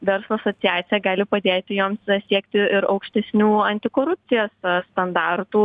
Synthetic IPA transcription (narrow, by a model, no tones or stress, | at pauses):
ʋʲɛɾslˠoɐsotsʲɪjæːt̪sʲɪjɛɡɑːlʲɪpɐd̪ʲeːt̪ʲɪjoːmssʲiɛkt̪ʲɪɪɾɐʊkʃʲt̪ʲɛsʲnʲuːɐnʲt̪ʲɪkoːɾʊpʲt̪t͡s̪ʲɪjoːsst̪ɐnd̪ɑːɾt̪uː